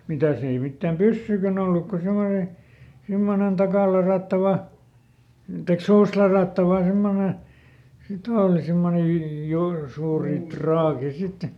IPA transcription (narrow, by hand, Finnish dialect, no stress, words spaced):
mitæ ei mitːæːm pysːyikæn olːuk ko semone simːonen tɑkɑˑlɑrɑˑtːɑʋɑ tɑik suːstlɑrɑˑtːɑʋɑ semːone sit oːli simːone ju jur suːri trɑːki sit